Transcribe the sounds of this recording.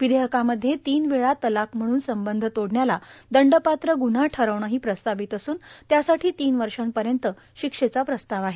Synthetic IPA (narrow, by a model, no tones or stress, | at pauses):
ʋid̪eɦəkaməd̪ʱjet̪iːnʋiɭat̪əlakm̤əɽ̃uːnsəmbənd̪ʱət̪oɽɳjalad̪əɳɖəpat̪ɾəɡun̤aʈʰəɾəʋɳəɦiːpɾəst̪aʋit̪əsuːnt̪jasaʈʰiːt̪iːnʋəɾʂampəɾjənt̪ə | ɕikʂet͡sapɾəst̪aʋaɦe